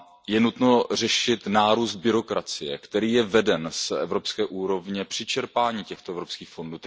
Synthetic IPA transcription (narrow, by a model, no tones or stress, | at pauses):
jɛnut̪no̞r̝ɛʃɪt̪naːɾuːsd̪̚bɪɾo̞kɾat͡sɪjɛ̰kt̪ɛɾiːjɛvɛdɛnsɛvɾo̞pskɛːʔuːɾo̞vɲɛpr̝̥ɪt͡ʃɛɾpaːɲiːcɛxt̪oɛvɾopskiːxfo̞nduːt̪